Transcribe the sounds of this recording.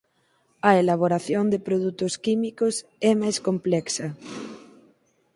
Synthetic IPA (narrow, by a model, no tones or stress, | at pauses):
ɐelaβ̞oɾaθjond̪ɪpɾoðut̪ʊskimikosɛmajskomplɛksɐ